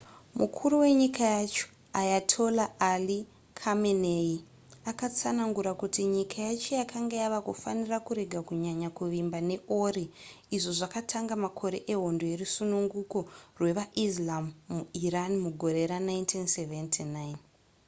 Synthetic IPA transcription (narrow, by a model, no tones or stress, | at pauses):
mukʰuɾuwe̞ɲikajat͡ʃo̥ | ajatʰo̞laʔːli | kʰamenei | akat͡sanaŋɡuɾakutiɲikʰajat͡ʃo̞jakʰaŋɡeaʋakufanirakuɾe̞ɡʱakuɲaɲakuʋimbane̞oɾi | iʐo̞ʐakatʰaŋɡamakʰo̞ɾe̞̰ʔeɦo̞ndo̞jerusunuŋɡuko̞rwe̞ʋaʔislamːuiranimuɡʱo̞ɾe̞ɾanaintʰinseventʰinajn